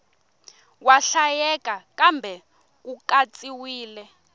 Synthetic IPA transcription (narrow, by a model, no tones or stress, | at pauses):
waɬajɛkʼakʼambʱɛ | k̬ukat͡sʼiwiːlɛ